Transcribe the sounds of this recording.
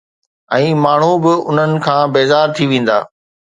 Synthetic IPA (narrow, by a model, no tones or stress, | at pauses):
ɛ̃ːmaːɳ̤ubɪʊn̤ənɪ̆kʰãːbeːzaːɾt̪ʰiʋẽːn̆d̪a̰ː